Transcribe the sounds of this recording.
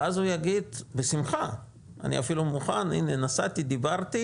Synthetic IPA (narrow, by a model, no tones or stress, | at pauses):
azujaɡid̪besimχa | ʔa̰nḭafilumuχanḭnenasat̪id̪ibaʁt̪i